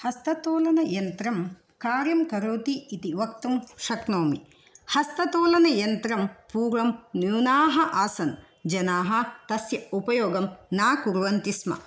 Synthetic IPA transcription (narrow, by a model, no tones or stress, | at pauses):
hɐst̪ɐt̪oːlɐnɐjɐnt̪ɾɐm | kaːɾjɐmkɐɾoːt̪iːt̪iʋɐkt̪umʃɐknoːmḭ | hɐst̪ɐt̪oːlɐnɐjɐnt̪ɾɐmpuːɾʋɐmnjuːnaːɦɐʔaːsɐn | d͡ʒɐnaːɦɐt̪ɐsjɐupɐjoːɡɐmnaːkuɾʋɐnt̪ismɐ̰